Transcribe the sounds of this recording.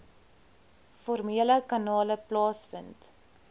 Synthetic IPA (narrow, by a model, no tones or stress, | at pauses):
fɔrmiələkɐnɑːləplɑːsfə̰nt